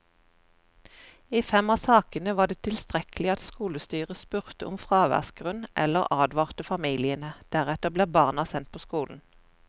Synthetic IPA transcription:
iːfɛmɑsɑːkənəʋɑːd̪eːt̪ʰɪlst̪ʁɛkəlɪɑt̪skuːləst̪yːʁəspʉʁt̪əʔʊmfʁɑːʋæ̰ʁsɡ̥ʁʉnʔɛ̰ləʁɑːd̪ʋɑːʁt̪əfɑmiːlɪənəd̪̥æʁɛt̪əʁbleːbɑːʁnɑsɛnt̪̚pʰoːskuːln̩

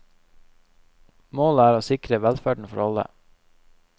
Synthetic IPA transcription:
moːləæːɾoːsɪkɾəʋælfæːɖɳ̩fɔɾɑlə̰

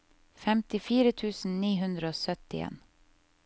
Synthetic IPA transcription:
fɛmt̪ɪfiːɾət̪ʰʉːsn̩niːɦʉnd̪ɾəoːsœt̪ɪḛːn

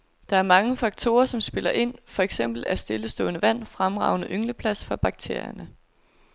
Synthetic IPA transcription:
d̥ɑ̈æɐmɑ̈ŋəfɑ̈ɡ̥̚t͡sʰo̝ːɐsɒ̽msb̥e̝l̰ɐʔe̝n̰fɒ̽eɡ̥sem̰b̥l̩æsd̥e̝ləsd̥ɔ̰̽ːnəʋæn̰fʁamʁɑ̈ʊnəʔøŋləpʰlæsfɑ̈b̥ɑ̈ɡ̥̚t͡sʰe̝ɐ̰jɐnə

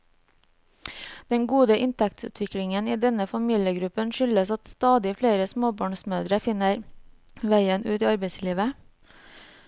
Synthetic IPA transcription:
d̪̥ɛŋɡuːd̪əʔɪnt̪ʰɛk̚t̪sʉ̰ːt̪ʰʋɪkɽɪŋəniːd̪ɛnəfɑmiːljəɡɾʉpənʃʏləsɑt̪st̪ɑːd̪ɪfɽeːɾəsmoːbɑːɳsmøːd̪ɾəfɪnəɾ | ʋæɪənʉːt̪iːɑɾbeɪsliːʋə

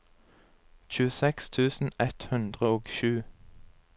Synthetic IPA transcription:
c͡çʉːəsɛkst̪ʰʉːsn̩ɛt̪hʉnd̪ʁəoːɡʃʉː

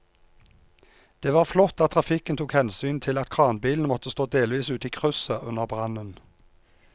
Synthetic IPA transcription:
d̪̥eːʋɑːʁflɔt̪ːɑt̪ʰʁɑfɪkənt̪ʰuːkhɛnsyːnt̪ʰɪlɑt̪̚kʰʁɑːnbiːln̩mɔt̪əst̪oːd̪eːlʋiːsʉːt̪iːkʰʁʉsəʔʉnəʁbʁɑnən

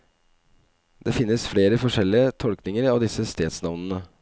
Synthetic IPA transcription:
d̪̥eːfɪnːəsfɽeːɾəfɔʂɛlɪət̪ʰɔlknɪŋəɾɑːʋd̪ɪsəst̪eːd̪snɑʋnənə

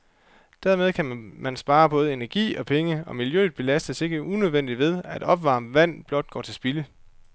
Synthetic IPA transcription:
d̥æɐ̰með̞ˠkʰæmænsb̥ɑ̈ːɐb̥ɔ̽ːð̩ˠe̝næɐɡ̥ḭːɒ̽pʰeŋəɒ̽miljø̰ːð̩ˠb̥e̝læsd̥əse̝ɡ̥əʔunøð̞ˠʋen̰d̥iʋe̝ð̞ˠæd̥ɒ̽b̥ʋɑ̈mʋæn̰b̥lɒ̽d̥̚ɡ̥ɒ̰ːt͡sʰe̝lsb̥ilə

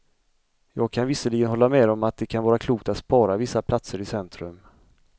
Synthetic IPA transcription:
jɑːɡ̚kʰanvɪsəɭɪɡənɦɔlːamɛːd̪ɔmat̪̚d̪ɛkʰanvɑːɾakʰluːk̚t̪at̪spɑːɾavɪsːapʰlat̪səɾɪsɛnt̪ɾɵ̰m

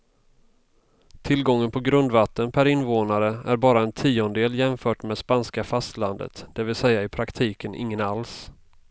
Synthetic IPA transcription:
t̪ʰɪlɡɔŋːənpʰɔɡɾɵnd̪vat̪ːənpʰæɾɪnːvoːnaɾəæɾbɑːɾaɛnt̪ʰiːɔnd̪eːljɛmfœːʈmɛːd̪spanskafast̪land̪ə̰t̪d̪̥ɛvɪlsɛjːaɪpʰɾakt̪ʰiːkənʔɪ̰ŋːənals

